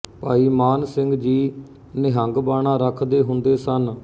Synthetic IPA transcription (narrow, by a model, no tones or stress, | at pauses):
paːiːmaːnsɪ̃ŋɡd͡ʒiː | nɪɦəŋɡbaːɳãːɾəkʰd̪eːɦʊnd̪eːsən